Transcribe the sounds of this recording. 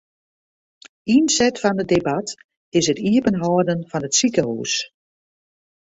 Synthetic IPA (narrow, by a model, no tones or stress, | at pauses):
insɛtfɔndədebat | ɪsətiəpənɦɔːdənfɔnətsikəɦṵːs